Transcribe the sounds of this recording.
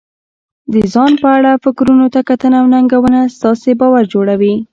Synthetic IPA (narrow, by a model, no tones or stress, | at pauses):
d̪əzɑnpəaɽafɪkɾunot̪akat̪ənawnaŋɡawənast̪ɑsebɑwaɾd͡ʒoɽawi